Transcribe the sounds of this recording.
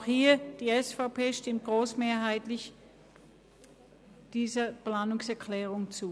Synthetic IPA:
xhiːɐd̥iːɛsfapʰeːʃtɪmt̚ɡ̥ʁoːsmeːɐɦaɪtlɪç | d̥iːzɐpl̥aːnʊŋsɛɐkʰlɛːʁ̞ʊŋt͡suː

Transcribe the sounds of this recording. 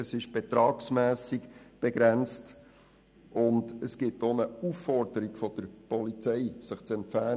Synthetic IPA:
əsɪʃb̥ɛt̪ɾɑːksmæːsikb̥eɡɾɛnt͡st | ʔʊndəsɡ̥ɪtonəufːɔɾdəɾiɡfɔd̥əɾpɔlit͡sɛɪsɪχt͡sɛmpfæː

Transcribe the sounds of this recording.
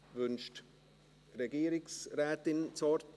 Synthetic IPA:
vʏnʃt | ɾeɡiːɾɪksɾɛːt̪ɪnt͡sɔɾt

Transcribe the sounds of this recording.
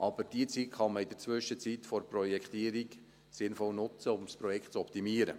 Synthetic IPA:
ʔɑb̥əɾd̥iət͡sit̪χɑməid̪̥əɾt͡sʋʏʃət͡sit̪fɔɾpɾɔjɛkχt̪iəɾik | sɪnfɔlnʊt͡səʊmspɾɔjɛkχt̪t͡sɔpt̪imiəɾə̰

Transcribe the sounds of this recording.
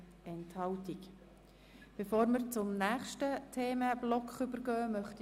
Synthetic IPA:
ɛnthɑltik | b̥efoːɾməɾt͡sʊmnæːχʃtətʰeːməb̥lɔkχʏbəɾɡœːmœχt

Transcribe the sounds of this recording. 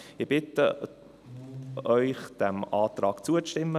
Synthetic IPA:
ɪb̥ɪt̪ə | œʏχd̪̥æmɑːt̪ɾɑːkt͡suət͡stɪmːə

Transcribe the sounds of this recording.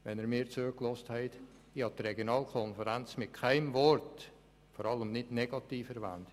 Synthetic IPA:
ʋɛnɛɾmiːɾt͡søklɔsthɛɪt | ɪhɑtreɡjonɑːlkʰɔnfəɾænt͡smɪt̚kʰæɪmvɔrt | fɔːɾɑləmnɪdnɛɡ̥ɑtiːfɛɾvæ̰nt

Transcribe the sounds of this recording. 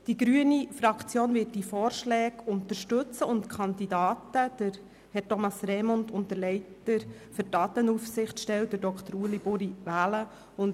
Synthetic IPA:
d̥iɡɾyənifɾɑkt͡sjoːnvɪːt̚difɔːɾʃlɛːɡʊnt̪əɾʃtɵt͡səʊntkʰχɑndidɑːtəd̥əɾ | hɛɾtomɑsɾɛmɔntʊnt̪əɾlɛɪtəɾ | fəɾdɑːt̪ənufsɪχtʃtɛlt̚d̥ədɔkt̪əɾuəlibʊɾivæːlə | ʊn

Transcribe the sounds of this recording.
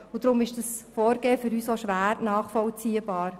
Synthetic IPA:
ʊdɾʊmɪʃd̥ɑsfoːɾɡeːəfyɾyːsoʃʋæːɾnɑːχfɔlt͡siːəbɑːɾ

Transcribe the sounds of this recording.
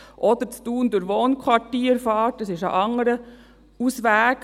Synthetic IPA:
ʔɔd̥̪əɾt͡stuːndʊɾʋoːnkʰwɑtiːɾfɑːtɑsɪʃə̰ʔɑŋːəɾə | usʋæːk

